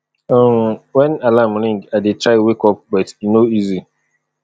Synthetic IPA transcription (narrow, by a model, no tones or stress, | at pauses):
ɔmwɛ̃nalamlĩŋɡadetʰɹaɪwekɔp̚bɔtinoizi